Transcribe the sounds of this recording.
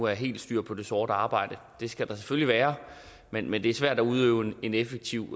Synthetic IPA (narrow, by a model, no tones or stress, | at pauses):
uæɐɦe̝̰ːld̥sd̥yɐ̰pʰɒ̽d̥e̝sɔːɾ̥əɑ̈ːb̥ɑ̈ɪ̰d̥ə | d̥e̝sɡ̥æd̥ɑ̈se̥føliʋæːɐ | menmend̥e̝æɐsʋæɐ̰̥æuð̞ˠøʊene̝nefeɡ̥̚t͡sʰiʊ̰